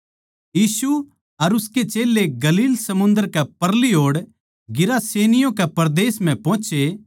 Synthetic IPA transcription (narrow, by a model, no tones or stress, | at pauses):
jiːsu | ɐɾʊsket͡ʃeːlːeɡɐliːlsɐmʊ̃nd̪əɾkɛpɐɾliɦoːɽ | ɡɪɾaseːnɪjõkɛpɐɾd̪eːsm̤ɛ̃pɔ̃ːt͡ʃe